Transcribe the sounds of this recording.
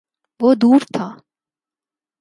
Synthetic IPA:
ʋoːd̪uːɾt̪ʰaː

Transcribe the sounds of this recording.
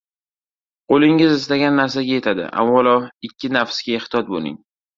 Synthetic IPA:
qʰolɪŋɪzɪst̪aɡʲanːaɾs̬aɡʲaje̞t̪ʰad̪ɪ̰ʔa̰vːɒlɒɪkʲʰːɪnafsɡʲaeht̪ʰɪjɒt̪̚bo̰lɪ̰ŋ

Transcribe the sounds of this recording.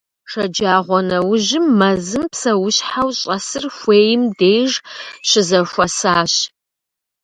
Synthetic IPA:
ʂɐd͡ʒaːʁʷɔnɐwʊʑɪmːɐzɨmpsɐwʊɕħawɕʼɐsɨrxʷeːjɪmdeːjʐɕɪzɐxʷɐsaːɕ

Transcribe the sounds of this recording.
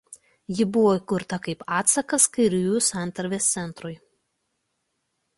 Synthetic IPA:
jɪbʊʋoːikʊɾt̪ɐkɐɪpɑːt̪sɐkɐskɐɪɾʲʊjuːsɑˑnˑt̪ɐɾʲʋʲeːst̪sʲɛnˑt̪ɾʊj

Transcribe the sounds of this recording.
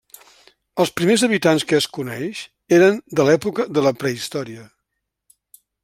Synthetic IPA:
əlˠspɾimezəβit̪anskəːskunɛ̰ʃ | eɾənd̪əlɛpukəðələpɾəist̪ɔɾiə

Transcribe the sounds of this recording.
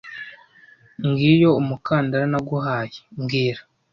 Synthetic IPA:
ŋɡiːjo̞umukaːndaɾanaɡuɦaːjeŋɡiːɾa

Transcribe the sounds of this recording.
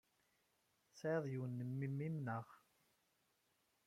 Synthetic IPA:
seðˤjuwnːəmːimːimnəʁ

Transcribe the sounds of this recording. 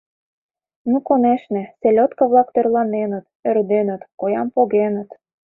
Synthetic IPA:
nukoneʃnĕselʲot̪kəβlɑk̚t̪ørlɑnenə̆t̪ørd̪enə̆t̪kojɑmpoɣenə̆t̪

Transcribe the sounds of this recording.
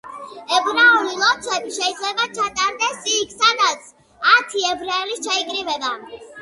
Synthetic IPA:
ɛbɾaulilˠɔt̪sʰwɛbiʃɛid̪zlɛbat͡ʃʰat̪ʼaɾd̪ɛsikʰsad̪at̪sʰ | at̪ʰiɛbɾaɛlit͡ʃʰaikʼɾivɛba

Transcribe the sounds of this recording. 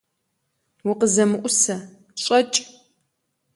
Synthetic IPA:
wʊqəzɐmɨʔʷʼʊsɐ | ɕʼɐt͡ʃʼ

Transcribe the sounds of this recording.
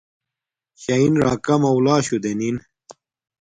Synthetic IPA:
ɕɐinɾaːkɐmɐwlaːɕud̪enin

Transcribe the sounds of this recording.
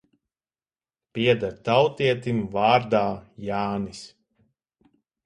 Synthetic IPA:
piɛd̪aɾt̪awt̪iɛt̪imvaːɾd̪aːjaːnis

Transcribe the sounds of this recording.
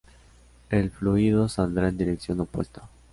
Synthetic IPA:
elfluiðosald̪ɾaend̪iɾeksjo̞nopwḛst̪ḁ

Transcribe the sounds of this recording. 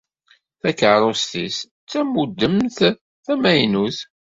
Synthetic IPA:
θækːʕɾˤost̪is | t͡sːæmud̪ːəmθ | θæmæjnuθ

